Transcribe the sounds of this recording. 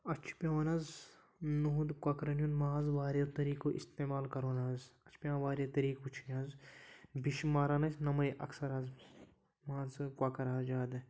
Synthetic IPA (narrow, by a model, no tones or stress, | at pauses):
ɐt͡ʃʰpʲjaʋɐnɐz | nuɦud̪kwaːkɐɾɐnjunmaːzʋaːɾjɐt̪ɐɾiːkoʔḭst̪eːmaːlkɐɾoːnaːzɐt͡ʃʰpʲjãːʋaːɾjɐt̪ɐɾiːkut͡ʃʰinʲãːzbiʃmaːɾaːnɐsʰʲnɐmɐjʔɐ̰ksɐɾaz | mãːzkwaːkɐɾaːzd͡ʒaːd̪